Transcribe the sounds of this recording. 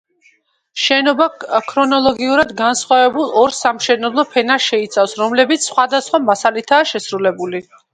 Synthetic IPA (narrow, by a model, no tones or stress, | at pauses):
ʃɛnɔbakʰɾɔnɔlˠɔɡiuɾad̪ɡansχwavɛbulˠɔɾsamʃɛnɛblˠɔpʰɛnaʃɛit̪sʰafsɾɔmlɛbit̪sʰsːχwad̪asχwamasalit̪ʰaːʃɛsɾulɛbuli